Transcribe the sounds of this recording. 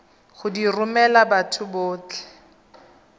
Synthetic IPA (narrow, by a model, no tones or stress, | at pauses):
χʊdirʊmɛlabatʰʊbʊːt͡ɬɛ̥